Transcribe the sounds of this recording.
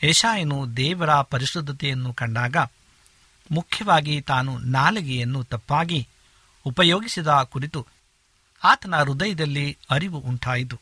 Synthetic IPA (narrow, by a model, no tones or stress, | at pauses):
ɛʃaːjɐnud̪ɛːʋɐɾɐpɐɾiʃɾud̪ʱːɐt̪ɛjɐnːukɐɳɖaːɡɐ | mukʰːjɐʋaːɡit̪aːnunaːlɐɡɛjɐnːut̪ɐpːaːɡi | upɐjoːɡisid̪akuɾit̪u | aːt̪ɐnɐɾud̪ɐjɐd̪ɐlːiɐɾiʋuʔuɳʈʰaːjit̪̬u